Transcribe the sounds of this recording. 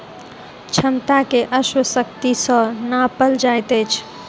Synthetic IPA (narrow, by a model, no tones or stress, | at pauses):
t͡ʃʰəmt̪akeʔəswəsəkt̪isə̃napəld͡ʒajt̪əjt͡ʃʰ